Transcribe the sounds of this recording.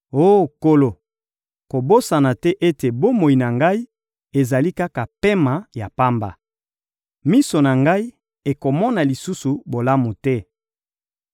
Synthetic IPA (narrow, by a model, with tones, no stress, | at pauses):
o˦ko˦lo˨ | ko˨bo˦sa˨na˨tɛ˦ʔe˦te˨bo˦mo˨i˨na˨ŋɡa˦i˦ | e˨za˨li˦ka˦ka˨pe˦ma˨ja˨pa˦mba̰˨ | mi˦so˨na˨ŋɡa˦i˦ | e˨ko˨mɔ˦na˨li˨su˦su˨bo˨la˦mu˨tɛ˦